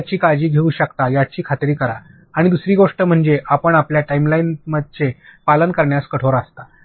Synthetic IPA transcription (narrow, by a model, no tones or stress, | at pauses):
t͡ɕiːkad͡ʑiːɡʱeuːɕəkt̪ajat͡ɕiːkʰat̪ɾiːkəɾa | aɽ̃id̪usɾiːɡoʂʈəm̤əɳd͡zeʔapəɳapljaʈaimlajnməd̪̚t͡ɕepalənkəɾɳjaskəʈʰoɾast̪a